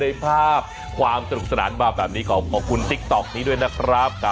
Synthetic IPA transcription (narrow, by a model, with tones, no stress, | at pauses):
ɯ˧jpʰaː˥˩p̚ | kʰwaː˧msa˧ɾu˨˩p̚sa˧naː˩˦nbaː˨˩bɛː˨˩p̚niː˦˥kʰɔː˩˦kʰɔː˨˩kʰu˧nt̪i˦˥k̚t̪ɔ˨˩k̚niː˦˥du˥˩əjna˦˥kʰɾa˦˥p̚kʰa˦˥